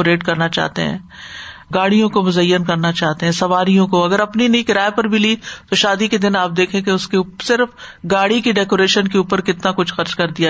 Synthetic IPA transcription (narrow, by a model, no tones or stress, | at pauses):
oɾeːʈkɐɾnat͡ʃa̰ːɦt̪ḛɦɛ̰̃ː | ɡaːɽijõkomʊzɐjːənkɐɾnat͡ʃaːɦt̪eɦɛ̃ːsɐʋaːɾijõkoɐɡəɾɐpninɐĩkɪɾaːepɐɾbʱiliːt̪oʃaːd̪iked̪ɪnaːp̚d̪eːkʰẽkeʊskepsɪɾfɡaːɽikiɖɛːkoːɾeːʃənkeuːpəɾkɪt̪nakʊt͡ʃʰxɐɾt͡ʃkɐɾd̪ija